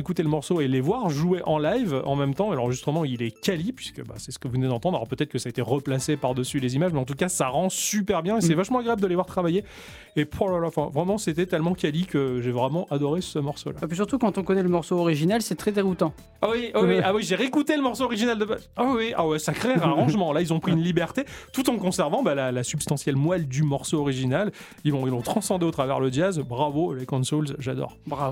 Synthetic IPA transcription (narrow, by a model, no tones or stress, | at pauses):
ekut̪eləmɔʁsoelevwaʁʒueʔɑ̃lajvɑ̃mɛmt̪ɑ̃elɑ̃ʁəʒist̪χəmɑ̃ilɛkʲalipɥi̥skə̰ba̰sɛsə̥kəvunɛd̪ɑ̃t̪ɑ̃d̪ʁa̰lɔ̰ʁpøt̪ɛt̪χəkəsaet̪eʁəplasepaʁd̪əsylezimaʒmɛɑ̃t̪ukasaʁɑ̃sypɛʁbjɛ̃esɛvaʃmɑ̃aɡʁeabld̪əlevwaʁt̪χavajeː | palalafɛ̃vʁɛmɑ̃set̪ɛt̪ɛlmɑ̃kʲalikəʒevʁɛmɑ̃ʔad̪ɔʁesəmɔʁso̰laapis̬yʁt̪ukɑ̃t̪ɔ̃kɔnɛləmɔʁsoɔʁiʒinalsɛt̪χɛd̪eʁut̪ɑ̃ | awiwwawiʒeʁekut̪eləmɔʁsoɔʁiʒinald̪əbazawiʔa̰wɛsakχeʁaʁɑ̃ʒmɑ̃lailzɔ̃pχiynlibɛʁt̪et̪ut̪ɑ̃kɔ̃sɛʁvɑ̃balalasybst̪ɑ̃sjɛlmwald̪ymɔʁsoɔʁiʒinal | ilɔ̃ilɔ̃t̪χɑ̃sɑ̃d̪eot̪χavɛ̰ʁləd͡ʒazbʁavolekɔ̃nsolzʒad̪ɔ̰ʁba